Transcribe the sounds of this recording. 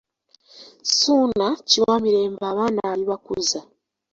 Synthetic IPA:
sunaciwamiɾe̞ːmbaːβaːnaaɾiβakuza

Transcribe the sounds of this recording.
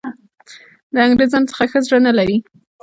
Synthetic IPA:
ləaŋɡɾezɑnt͡sə̥xaxəzɽənalaɾi

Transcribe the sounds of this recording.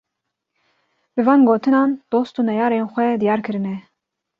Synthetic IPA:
bɨvɑːnɡoːt̪ʰɨnɑːnd̪̥oːst̪uːnɛjɑːɾeːnxʷɛd̪ijɑːɾkʰɨɾɨnɛ

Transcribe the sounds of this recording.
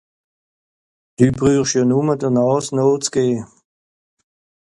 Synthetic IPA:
d̥yːbʁyːχʃjɔːnumədəʁnɑːsnoːt͡sɡ̥eː

